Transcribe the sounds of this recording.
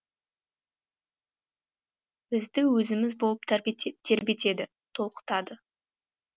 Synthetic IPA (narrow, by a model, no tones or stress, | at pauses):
b̥ɪzd̪ɪwɵzɪmɪzbolˠəp̚t̪ʰt̪ʰːe̞ɾbe̞t̪e̞d̪ɪ | t̪ʰo̞lˠqə̥t̪ɑd̪ə